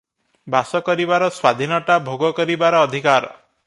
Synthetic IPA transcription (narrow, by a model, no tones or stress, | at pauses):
basɔkɔɾibaɾɔswad̪ʱinɔʈabʱoɡɔkɔɾibaɾɔːd̪ʱikaɾɔ